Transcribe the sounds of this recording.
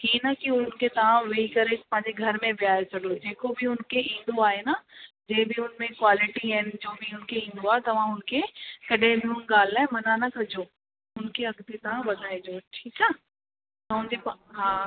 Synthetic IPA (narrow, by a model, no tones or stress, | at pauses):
ɦiːnɐkiʊnkʰet̪ɐʋ̤ãʋeikɐɾepɐ̃ɦɪ̃ɲd͡ʑeɡʱɐɾmẽʋɪaːesʰɐɖod͡ʑeːkobʱɪʊnkʰeʔĩːnd̪oaːɦenad͡ʑẽːbɪʊnmẽkwaːlɪʈiɦɐnɪ̆d͡ʑoːbʱɪʊnkʰeĩːn̆d̪oaːɦet̪ɐʋ̤ãɦʊnkʰekɐɗẽbɪʊnɡaːl̤aːemɐnanɐkʰɐd͡ʑoː | ʊnkʰeɐɡt̪et̪ɐʋ̤ãʋɐd̪ʱaːẽd͡ʑoːʈʰiːk̚t͡ɕaː | t̪ɐɦʊ̃nd͡ʑepɐɦaː